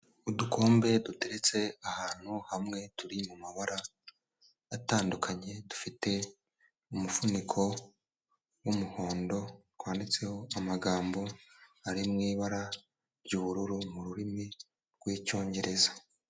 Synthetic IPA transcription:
udukʰo̞ːmbe̞dute̞ɾe̞t͡se̞ahaːn̥huhamŋe̞tuɾimumaβaɾaː | taːndukʰaɲe̞dufite̞ | umufunikʰo̞ | wumuho̞ːndo̞ | waːndit͡se̞ho̞amaɡaːmbo̞aɾimŋiːβaɾa | ɾɟuːβuɾuɾumuɾuɾimi | ɾɡwiːco̞ːɲɟe̞ɾe̞zḁ

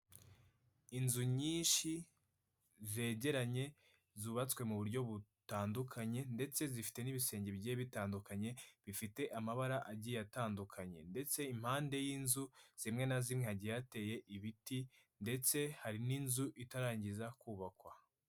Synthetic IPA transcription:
inzuɲiːnʃi | ze̞ːɟe̞ɾaɲe̞ | zuβat͡skwe̞muβuɾɟo̞βutaːndukʰaɲe̞nde̞t͡se̞zifi̥te̞niβise̞ːɲɟe̞bɟeːβitaːndukaɲe̞βifite̞ʔamaβaɾaʔaɟijataːndukʰaɲe̞̰nde̞t͡se̞im̥haːnde̞jiːnzuz̥imŋe̞nazimŋehaɟijate̞je̞ʔiβiti | nde̞t͡se̞haɾininzuʔitaɾaːɲɟizakuːβakwa

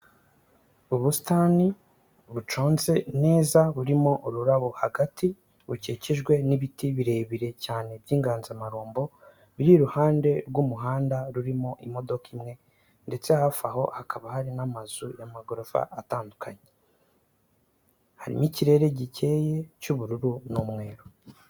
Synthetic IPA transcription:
uβusi̥taːni | βut͡ʃo̞ːnze̞ne̞ːzaβuɾimo̞ʔuɾuɾaβohaɡatʰi | βuceːciʒɡwe̞niβitiβiɾe̞ːβiɾe̞caːne̞bjiːŋɡaːnzamaɾoːmbo̞ | βiɾiɾuhaːnde̞ɾɡumuɦaːndaɾuɾimo̞ʔimo̞do̞kimŋe̞ | nde̞t͡se̞hafaho̞̰hakʰaβahaɾinamazujamaɡoɾofa̰ʔːtaːndukʰaɲe | haɾḭmiciɾe̞ːɾe̞ɟice̞ːje̞cuβuɾuɾunumŋe̞ːɾo

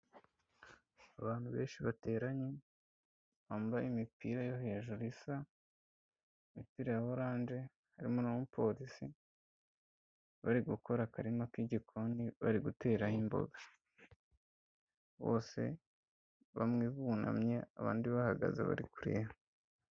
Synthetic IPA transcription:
aβaːn̥huβe̞ːnʃiβate̞ːɾaɲe | βambaimipiːɾajoɦeːʒuɾisa | imipiːɾajaβoɾaːnʒe̞ | haɾimonamupo̞ːɾisi | βaɾiɡuko̞ɾakaɾimakwiɟikʰo̞niβa̰ɾiɡute̞ːɾahimbo̞̰ɡa | βo̞̰ːse̞̰ | βamŋiːβuna̰mɲe̞aβa̰ːndiβahaɡa̰zḛβa̰ɾikuɾḛho

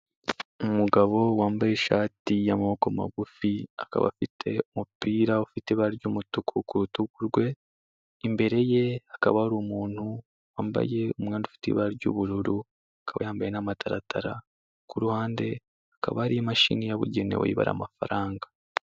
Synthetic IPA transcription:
umuɡaβo̞waːmbajeʃaːtijamaβokoma̰ɡufiaka̰βa̰fitʰe̞omupiːɾaufiteβaɾɟomutukʰukuɾutukuɾɡwe̞ | imbe̞ɾe̞je̞akaβahuɾuːmuːn̥hu | waːmba̰je̞omŋaːndufi̥tḭβaɾɟṵβuɾuɾu | akaβa̰jaːmbajenamatʰaɾatʰaɾa̰ | kuɾuhaːnde̞ | aka̰βaaɾijamaʃḭnijaβṵɟe̞nḛwa̰ḭβa̰ɾa̰mafaɾaːŋɡḁ

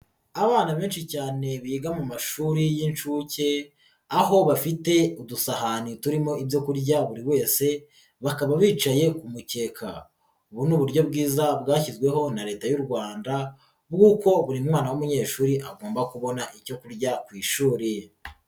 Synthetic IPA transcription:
aβaːnaβeːnʃicaːne̞βiːɡamumaʃuːɾijinʃuːce̞ | aɦo̞βafite̞udusahanituɾimo̞ibjo̞kuɾɟaβuɾiwe̞ːse̞ | βakaβaβiːt͡ʃaje̞kumuce̞ːkʰa̰ | uβunuːβuɾɟo̞bɡiːzabɡaːçizɡwe̞ɦo̞naɾe̞ːtajuɾɡwaːnda | bɡuːko̞βuɾimŋaːnawumuɲe̞ːʃuːɾiʔaɡo̞ːmbakuβo̞naʔico̞kuɾɟakwiːʃuːɾi

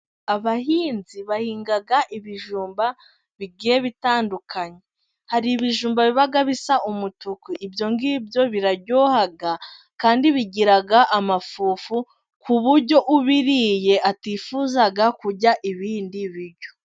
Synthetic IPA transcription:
aβahiːnziβahiːŋɡaɡaʔiβiʒuːmba | βiɡijeβitaːndukʰaɲe | haɾiːβiʒuːmbaβiβaɡaβisaʔumutukiʔːbjo̞ŋɡiːbjo̞βiɾaɟoːhaɡa | kaːndiβiɟiɾaɡaʔamafuːfu | kuβuɾɟo̞ʔuβiɾiːje̞ʔatifuzaɡakuɟaʔiβiːndiβiɾɟo̞

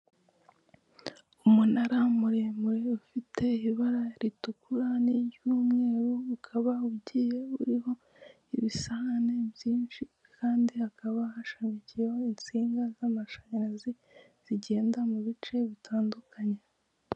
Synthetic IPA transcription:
umunaɾamuɾe̞ːmuɾeufitʰe̞iiβaɾaɾitukuɾanijuːmŋe̞ːɾuukʰaβauɟije̞uɾiɦo̞ | iβisahane̞βjiːnt͡ʃi | kʰaːndiakaβahaʃamicijehoint͡siːŋɡazamaʃaɲiɾazi | z̥iɟe̞ːndamuβit͡ʃe̞βitʰaːndukʰaɲe̞

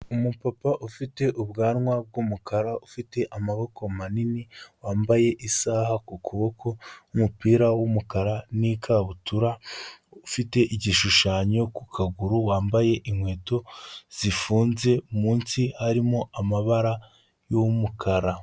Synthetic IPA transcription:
umupapaʔufite̞ʔuβɡaːɾŋwab̚ɡumukʰaɾaufite̞ʔamaβo̞ko̞maniniwaːmbaje̞ʔisaːhakukuβo̞kʰo̞umupiːɾawumukaɾanikʰaβutuɾaufite̞ʔiɟiʃuʃaːɲo̞kukʰaɡuɾuwaːmbaje̞ʔimwe̞ːto̞z̥ifuːnze̞umuːnsihaɾimo̞ʔamaβaɾa | jomukʰaɾa

